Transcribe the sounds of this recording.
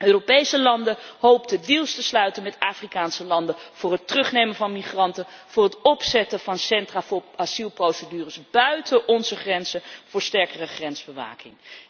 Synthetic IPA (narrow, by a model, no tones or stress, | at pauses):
ʔøːropejsəlɑndəɦowp̚tədilˠstəslœɥtənmɛtaːfrikaːnsəlɑndəv̥ʊːrɦətrɵχnejmənvɑnmiχrɑntəv̥ʊːɹɦətɔpsɛtəvɑnsɛntraːvʊːɑsilˠprowsədyːrəsb̥œɥtəʔɔnzəχrɛnzəv̥ʊːɹstɛɹkərəχrɛnzb̥əʋa̰ːkɪ̰ŋ